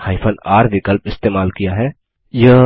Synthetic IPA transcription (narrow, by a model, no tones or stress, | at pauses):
haːɪpʰənaːɾʋɪkəlpɪst̪eːmaːlkijaɦɛː | jə